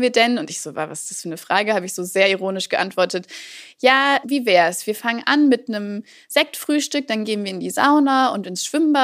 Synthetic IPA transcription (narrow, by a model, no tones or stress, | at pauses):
viːɐdɛnʊntɪçz̥oːva̰vasɪ̥sd̥ḁsfyːɐnəfʁ̥aːɡəhaːbəɪçz̥oːzeːɐiʁ̞oːnɪʃɡ̥əʔa̰ntv̥ɔɐtətjaːviːvɛːɐɛsv̥iːɐfaŋənʔanmɪtnəm | z̥ɛk̚tfʁ̥yːʃtʏk̚d̥anɡeːənviːɪndiːza̰ʊnɐʊntɪnsʃv̥ɪmba